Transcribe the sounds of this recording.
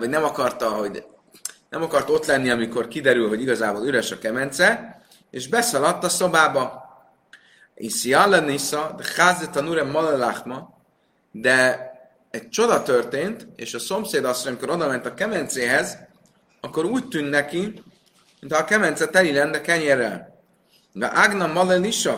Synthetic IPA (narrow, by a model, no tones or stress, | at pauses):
ɒɟnɛmɒkɒrt̪ɒɦo̞ɟ | nɛmɒkɒrt̪o̞t̪lɛnːiɒmiko̞rkid̪ɛɾylɦo̞ɟiɡɒzaːboːlyɾɛʃɒkɛmɛnt̪sɛ | eːʒbɛsɒlɒt̪ːɒso̞baːbɒ | ḭsiɑlːɛnisɒd̪ɛxaːzɛt̪ɒnuɾɛmːɒlɛlaxmɒ | d̪ɛ | ɛc̚t͡ʃo̞d̪ɒt̪ørt̪eːnt̪ḛːʃɒso̞mseːd̪ɒst̪hojɒmiko̞ɾo̞d̪ɒmɛnt̪ɒkɛmɛnt̪seːɦɛz | ɒkːo̞ɾuːc̚t̪ynnɛki | mint̪ɒːkɛmɛnt̪sɛt̪ɛlilɛnːɛkɛɲerːɛl | ɡɛ̰ʔaɡnɒmɒlɛliʃɒ